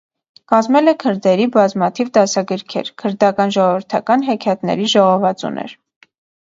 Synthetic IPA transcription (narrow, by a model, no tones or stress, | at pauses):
kɑzmɛlɛkʰəɾd̪ɛɾibɑzmɑt̪ʰivd̪ɑsɑɡəɾkʰɛ̰ɾkʰəɾd̪ɑkɑnʒɔʁɔvəɾt̪ʰɑkɑnɦɛkʰjɑt̪nɛ̰ɾiʒɔʁɔvɑt͡sṵnɛ̰ɾ